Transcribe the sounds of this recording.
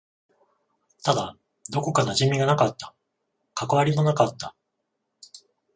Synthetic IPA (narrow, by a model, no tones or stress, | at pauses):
t̪ad̪a | d̪o̞ko̞kanaʑimʲiɡanakat̪ːḁ | kakaβaɾʲimo̞nakat̪ːa